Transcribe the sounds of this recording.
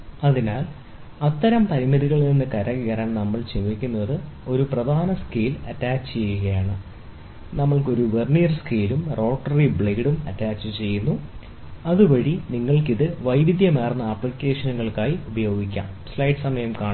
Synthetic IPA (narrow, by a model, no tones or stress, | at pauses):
ɐðinaːl | ɐt̪ːɐɾɐmpɐɾimɐðiɣɐɭninːɨkɐɾɐɣiɣɐɾaːɳnɐmːɐɭt͡ɕemːikʲːunːɐðɨ | o̞ɾuprɐd̪ʱaːnɐskiːlɐ̰tːaːt͡ɕːt͡ɕejːuɣɐjaːɳɨ | nɐmːɐɭko̞ɾuʋerɳijɐrskeːlumro̞ːʈːɐribɭejiɽumɐ̰tːaːt͡ɕːɨt͡ɕe̞jːunːu | ɐðuʋɐɽiniŋːɐɭkiðɨʋɐjʋid̪jɐmeːrnːɐɐpːɭikʲːe̞ːʂɐnuɣɐɭkaːjiubɐjo̞ːɡikʲːa̰ːm | slɐjɖsɐmɐjɐmkaːɳ